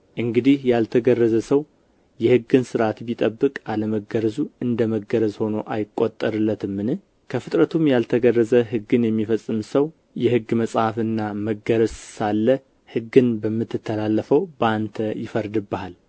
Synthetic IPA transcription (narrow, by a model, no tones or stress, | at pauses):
ʔɨŋɡɨd̪ihjalt̪ʰəɡərːəzəsəw | jɛhɨɡɨnsɨɾʔat̪bit̪ʼəbːɨkʼaləməɡəɾəzuɨnd̪əməɡəɾəzho̞noʔajɪkʼːo̞t̪ʼːəɾɨlːət̪ʰɨmːɨnɨ | kʰəfɨt̪ʼɾət̪ʰumjalt̪ʰəɡərːəzəɦɨɡɨnjɛmːifəsʼːɨmsəw | jɛhɨɡːməsʼhafɨnːaməɡəɾəzsalːə | hɨɡːɨnbəmːɨt̪ʰːɨt̪ʰːəlalːəfəwbəant̪ʰəjɪfəɾd̪ɨbːəhal